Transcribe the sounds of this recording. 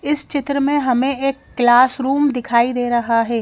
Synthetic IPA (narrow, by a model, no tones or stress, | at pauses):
ɪst͡ʃɪt̪ɾəmẽɦɐmẽeːkːlaːsɾuːmd̪ɪkʰaːid̪eːɾɐɦaɦɛː